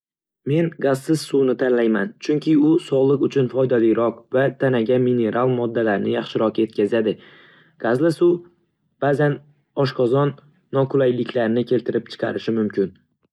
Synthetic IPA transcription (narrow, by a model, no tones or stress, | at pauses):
me̞nɡaz̥sɪz̥suwnɪt̪ʰanlajmant͡ʃʰʊŋkʲʰɪʊsɒlˠɨqʊt͡ʃʰʊnfɒjd̪aliɾɒqvat̪ʰanaɡʲamine̞ɾʔalˠmɒd̪ːalaɾnɪjɑχʃɪɾɒqe̞t̪̚kʲazad̪ɪ | ɡ̥azlasʊ | b̥aːzan | ɒʃqɒzɒnː | ɒkʰʊlajlɪkʲʰlaɾnɪkʲʰe̞lt̪ʰɪɾɪp̚t͡ʃʰɨ̥qʰɑɾɪʃɪmʊmkʲʰɪn